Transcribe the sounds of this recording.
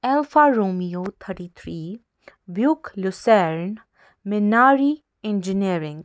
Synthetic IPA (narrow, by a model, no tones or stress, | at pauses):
ɛlfaɾoːmiot̪ʰəʈit̪ʰɾiː | bjʊklʊsɛɾn | mɪnaːɾi | ɛ̃nd͡ʒɪniɾɪ̃ŋɡ